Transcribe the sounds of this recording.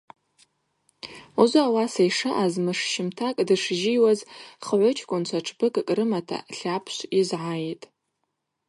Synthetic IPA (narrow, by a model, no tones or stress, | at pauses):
uzʷaawasajʂɨʔazmɨʂʃɪmtʰakʼdɨʂʒiwazχəʕʷʊt͡ʃʰkʷʼʊnt͡ɕʷʰaʈ͡ʂʰbɨkʼkʼrɨmatʰa̰ɬapʰʃʷizʕajitʼ